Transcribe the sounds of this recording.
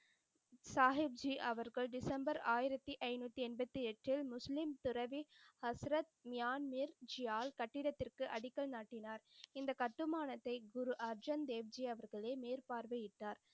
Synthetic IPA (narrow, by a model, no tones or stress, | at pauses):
saːɦɪb̚d͡ʒiʔɐʋɐɾɣɐɭɖɪsɐmbɐɾaːjɪɾɐt̪ːiʔɐɪnuːt̪ːiɛnbɐt̪ːiɛʈrɪlmʊslɪmt̪ʊɾɐʋihɐsɾɐt̪̚mɪjaːnmiɾd͡ʒɪjaːlkɐʈːɪɾɐt̪ːɪrkɯʔɐɽɪkːɐɭnaːʈːɪnaːɾɪnd̪ɐkɐʈːɯmaːnɐt̪ːɐɪɡʊɾuʔɐɾd͡ʒɐnd̪eːʋd͡ʒiɐʋɐɾɣɐɭeːmeːɾpaːɾʋɐjɪʈːaːɾ